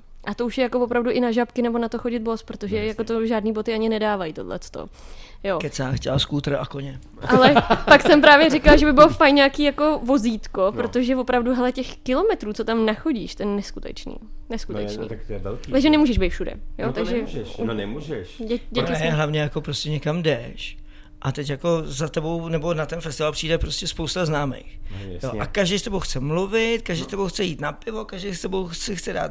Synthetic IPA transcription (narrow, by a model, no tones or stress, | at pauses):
ʔat̪ouʃjɛjakovopɾavduʔɪnaʒapkɪnɛbo̞nat̪o̞xo̞ɟɪd̪̚bospɾo̞t̪o̞ʒɛjako̞t̪o̞ʒaːdniːbo̞t̪ɪaɲɪnɛdaːvajt̪odlɛ̰t͡st̪o̞̰ | jo̞kɛt͡saːxcɛlskuːt̪ɾakoɲɛ | ʔalɛpakssɛmpɾaːvjɛɾɪkalaʒɛbɪbɪlofajnɲaːkiːjako̞vo̞ziːt̪ko̞pɾot̪o̞ʒɛvopɾavduɦɛlɛcɛxkɪlo̞mɛt̪ɾuːt͡so̞t̪amnaxoɟiːʃt̪ɛnɛskut̪ɛ̰t͡ʃnḭːnɛskut̪ɛ̰t͡ʃnḭt̪t̪ɛɛlit̪aɡʒɛnɛmuːʒɛʒbejt̪fʃudɛ̰jot̪aɡʒɛɛnnɛmuʒɛʃɛɟɛkɪɛɦlavɲɛjako̞pɾoscɛɲɛkamdɛʃ | ʔat̪ɛcjako̞zat̪ɛbo̞wnɛbo̞nat̪ɛnfɛst̪ɪvalpr̥iːdɛpɾoscʲɛspowst̪aznaːmḛjxjoʔakaʒdejst̪ɛbowxt͡sɛmluvɪt̪kaʒdɛjst̪ɛbowxt͡sɛjiːt̪napɪvo̞kaʒdɛjst̪ɛbowxt͡sɛxt͡sɛda̰ːt̪